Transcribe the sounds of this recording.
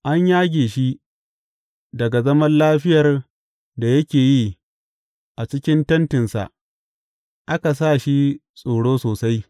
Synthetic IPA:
ʔa˦ɲjaː˦ɡʲeː˨ʃi˦ | dɐ˨ɡa˨zɐ˦mɐ˦nlaː˦ɸɪ˦jɐ˨r | da˨jɐ˦kʲeː˨jiː˦ | ʔa˨t͡ʃɪ˦kʲɪ˦ntɐ˦ntɪ˨nsa̰˨ʔ | ʔa˦ka˨s̬aː˦˨ʃi˦ | sʼoː˨ɽoː˦soː˨sa˦j

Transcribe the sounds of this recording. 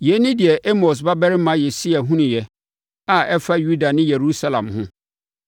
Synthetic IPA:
jɛ˨˦nɪ̃˦di˨ɛ˨ʔe˦mɔ˨s̬ba˦bɛ˦ɾɪ˦mã˨˦je˨si˦a˨ɦũ˦nʊ̃˨jɛ˨ | a˨ɛ˦fa˦ju˦da˨nɪ̃˦je˨ɾu˦sa˦lã̰˨mhʊ̰̃˦

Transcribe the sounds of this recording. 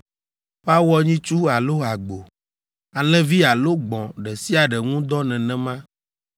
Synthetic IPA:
ɸa˦wɔ˦ɲĩ˦t͡ʃu˦a˨lo˦a˨ɡ͡bo˨ | a˨lɛ̃˦vi˦a˨lo˦ɡ͡bɔ̃˨ɖɛ˨si˦a˨ɖɛ˨ŋũ˦d̪ɔ˦nɛ̃˨nɛ̃˨mã˦

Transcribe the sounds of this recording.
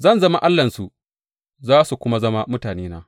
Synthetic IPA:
zɐ˦˨nzɐ˦ma˦ʔa˦lːɐ˨nsu˨ | zaː˦su˨kʷʊ˦ma˦zɐ˦ma˦mʊ˦taː˨neː˦naː˦

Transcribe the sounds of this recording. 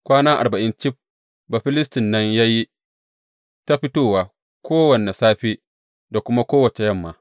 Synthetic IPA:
kʷaː˦naː˦ʔa˨bɐ˨ʔɪ˦nt͡ʃɪ˦ɸ̚ | ba˨ɸɪ˦lɪ˦stɪ˨nːɐ˦ɲjaː˦ji˦ | ta˦ɸɪ˦toː˦waː˨ | kʷoː˦wɐ˨ne˨saː˦ɸiː˦ | da˨kʷʊ˦ma˦kʷoː˦wɐ˨t͡ʃe˨jɐ˦˨mːaː˨

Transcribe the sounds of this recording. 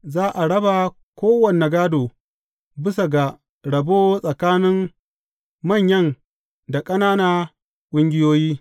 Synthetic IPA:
zaː˦ʔa˨ɽɐ˦ba˨ | kʷoː˦wɐ˨ne˨ɡaː˦doː˨ | bɪ˦sa˨ɡa˨ | ɽɐ˨boː˦sʼɐ˨kaː˦nɪ˦m | mɐ˦˨ɲjɐ˦˨n | da˨kʼɐ˦naː˦naː˦ | kʷʼʊ˦ŋɡʲɪ˦joː˦jiː˦

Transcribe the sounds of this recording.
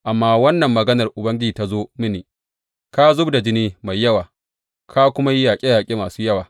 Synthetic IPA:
ʔa˨mːaː˦wɐ˦nːɐ˨mːɐ˨ɡɐ˦nɐ˨rʔʊ˨bɐ˦ŋɡʲɪ˦i˨ta˦zoː˦mɪ˦niː˨ | ka˦zʊ˦bda˨d͡ʒɪ˦niː˦ma˨jːɐ˦waː˨ | kʰa˦kʷʊ˦ma˦ji˦jaː˨kʲʼe˦jaː˨kʲʼeː˦maː˨suː˦jɐ˦waː˨

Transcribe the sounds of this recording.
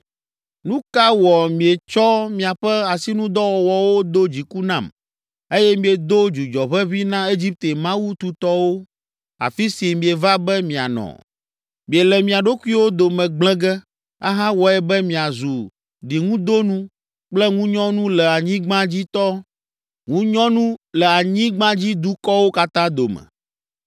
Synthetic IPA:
nũ˦ka˦wɔ˨mĩ˨e˨t͡ʃɔ˦mĩ˨a˨ɸɛ˦a˨si˦nũ˦d̪ɔ˦wɔ˨wɔ˨wo˦d̪o˦d͡ʑi˨ku˦nã˨m | e˦jɛ˦mĩ˨e˨d̪o˦d͡ʒu˨d͡ʒɔ˨βɛ˦βi˦nã˦e˦d͡ʑi˦p̚t̪e˨mã˦wu˦t̪u˨t̪ɔ˦wo˦ | a̰˨fi˦si˨mĩ˨e˨va˦bɛ˦mĩ˨a̰˨nɔ̰̃˨ | mĩ˨e˨lɛ˨mĩ˨a˨ɖo˦ku˦i˦wo˦d̪o˨mɛ̃˨ɡ͡blɛ̃˦ɡɛ˦ | a̰˦ɦã˦wɔ˨ɛ˨bɛ˦mĩ˨a˨zu˨ | ɖi˨ŋũ˦d̪o˦nũ˦ | k͡plɛ˦ŋũ˦ɲɔ̃˦nũ˦lɛ˨a˨ɲĩ˦ɡ͡bã˦d͡ʑi˦t̪ɔ˦ | ŋũ˦ɲɔ̃˦nũ˦lɛ˨a˨ɲĩ˦ɡ͡bã˦d͡ʑi˦d̪u˦kɔ˦wo˦ka˦t̪ã˦d̪o˨mɛ̰̃˨

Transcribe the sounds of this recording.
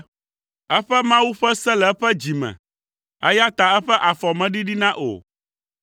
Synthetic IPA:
ɛ˦ɸɛ˦mã˦wu˦ɸɛ˦sɛ˦lɛ˨˦ɸɛ˦d͡ʑi˨mɛ̰̃˨ | ɛ̰˦ja˦t̪a˨ɛ˦ɸɛ˦ʔa˨fɔ˨mɛ̃˨ɖi˦ɖi˦nã˦ʔo̰˨

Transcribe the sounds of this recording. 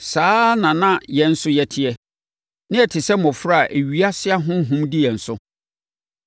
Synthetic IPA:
saː˦nã˨nã˦jɛ̃˨n̩˦sʊ˦jɛ˨tʰɪ˨ɛ˨ | nɪ̃˦ɛ˨tʰɪ˨sɛ˦mɔ̃˨fɾa˦a˨ʔe˨ɥi˨˦a˦sɪ˦a˦ɦʊ̃˦ɦʊ̃˦mdɪ˦jɛ˨n̩˨sʊ˦

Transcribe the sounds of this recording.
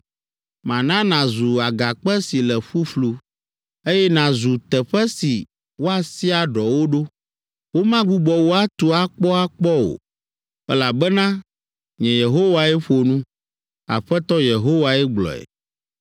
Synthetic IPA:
mã˨nã˦nã˨zu˨a˨ɡa˨k͡pɛ˦si˨lɛ˨ɸu˦flu˦ | e˦jɛ˦nã˨zu˨t̪ɛ˨ɸɛ˦si˨ | wo˦a˨si˦a˨ɖɔ˨wo˦ɖo˦ | wo˦mã˦ɡ͡bu˦ɡ͡bɔ˨wo˦a˦t̪u˦a˦k͡pɔ˦a˦k͡pɔ˦o̰˨ | ɛ˦la˨bɛ˦nã˦ | ɲɛ̃˨je˨ɦo˦wa˨ɛ˦ɸo˨nũ˦ | a̰˨ɸɛ˦t̪ɔ˦je˨ɦo˦wa˨ɛ˦ɡ͡blɔ̰˨ɛ̰˨

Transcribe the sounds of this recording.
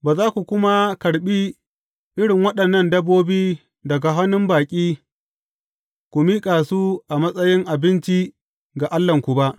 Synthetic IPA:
baː˨zaː˦kʷu˨kʷʊ˦ma˦kɐ˨ɽɓiː˦ | ʔɪ˦ɽɪ˨ŋwɐ˦ɗɐ˨nːɐ˦ndɐ˦bːoː˦biː˦ | dɐ˨ɡa˨ɦa˦nʊ˦mbaː˨kʲʼiː˦ | kʷu˨miː˦kʼa˨su˦ʔa˨mɐ˦sʼɐ˦jɪ˦ŋʔa˨bɪ˦nt͡ʃi˦ | ɡa˨ʔa˦lːɐ˨ŋkʷu˨ba˦ʔ

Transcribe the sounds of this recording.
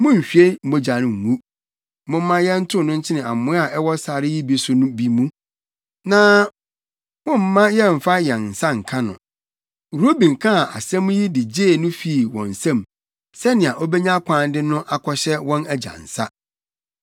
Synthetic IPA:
mʊ̃˦ɲ̩˨ɕᶣɥe˦m̩˦bo˨d͡ʑa˨nɪ̃˨ŋ̩˨ŋu˦ | mʊ̃˦m̩˦mã˦jɛ˦n̩˦tʰʊ̃˦˨nʊ̃˦ɲ̩˦t͡ɕʰɪ˦nɪ̃˨a̰˨mʊ̃˦a˦˨ʔɛ˦wɔ˦sa˨ɾɪ˦ji˦bi˦sʊ˦nʊ̃˦bi˦mũ˦ | nã˨˦ | mʊ̃˦m̩˦mã˦jɛ˦m̩˨fa˦jɛ˨nn̩˨sa˦ŋ̩˨kʰã˦nʊ̰̃˨ | ɾo˦bĩ˨ŋ̩˨kʰã˦˨ʔa̰˨sɛ̃˦m̃˦ji˦dɪ˨d͡ʑeː˦˨nʊ̃˦fi˦˨wɔ̰̃˨n̩˨sã˦m | sɛ˦nɪ̃˨a˨ʔɔ˦bɛ˦ɲã˦kʰʷãː˨ndɪ˦nʊ̃˦ʔa˨kʰɔ˦ɕɛ˦wɔ̃˦næ˨d͡ʑã̰˨n̩˨sa˦

